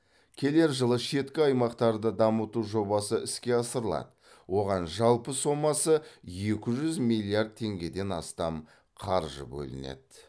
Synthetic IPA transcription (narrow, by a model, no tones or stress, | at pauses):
kʲʰe̞le̞ɾʒəlˠəʃe̞t̪kʲɪɑjmɑqt̪ɑɾd̪əd̪ɑmət̪uʒo̞bɑsəɪskʲe̞ɑsəɾəlˠɑ̰d̪ə | wo̞ʁɑnʒɑlˠpəso̞mːɑsəje̞kʲɪʒʏzmilʲˠːijaɾd̪̚t̪ʰːe̞ŋɡʲe̞d̪e̞nɑ̰st̪ɑm | qʰɑɾʒə̰bɵ̰lɪ̰nḛd̪̥